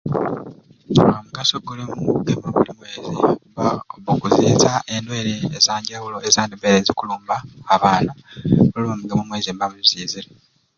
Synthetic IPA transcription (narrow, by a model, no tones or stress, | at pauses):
omuɡasoɡulimuɡemoβulimwe̞ːzi | βokuziːzaʔe̞ndwe̞ːɾeːzaːɲɟawulo̞ezaːndebeɾezikuluːmbaːβaːnoβuliβomuɡemomwe̞ːzimbamuziːziɾe